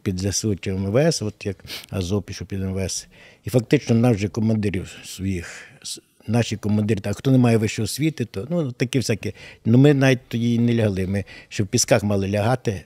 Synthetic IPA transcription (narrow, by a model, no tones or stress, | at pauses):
pʲid̪zɐsɪt͡ʃɛmʋɛsɔt̪jɐkɐzɔpʲiʃɔpʲid̪mʋɛs | ifɐk̚t̪ɪt͡ʃnɔnɑwʒɛkɔmɐnd̪ɪɾʲiwsʋɔjix | nɑʃʲikɔmɐnd̪ɪɾʲit̪ɐxt̪ɔnɛmɑjɛʋɪʃɛɔsʲʋʲit̪ɪt̪ɔnut̪ɐkɪwsʲakɪnʊmɪnɑʋʲit̚ʲt̪ɔdʲinɛlʲɐɦɐlˠɪmɪʃt͡ʃɔbpʲiskɑxmɑlˠɪlʲɐɦɑt̪ɪ